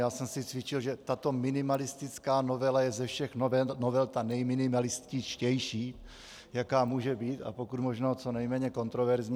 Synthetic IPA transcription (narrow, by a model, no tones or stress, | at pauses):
jaːsɛmsɪt͡svɪt͡ʃɪlʒɛt̪at̪o̞mɪnɪmalɪst̪ɪt͡skaːno̞vɛlajɛzɛfʃɛxnvɛnovɛlt̪anɛjmɪnɪmalɪscɪt͡ʃcɛjʃiː | jakaːmuːʒɛbiːt̪a̰po̞kut̪moʒnoːt͡so̞nɛjmɛːɲɛko̞nt̪ɾovɛɾzɲ